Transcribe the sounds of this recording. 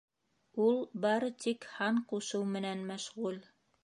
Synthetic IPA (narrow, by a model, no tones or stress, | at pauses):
ulˠbɑɾɤt̪ikhɑɴquʃɤwmɘ̆nænmæʃʁul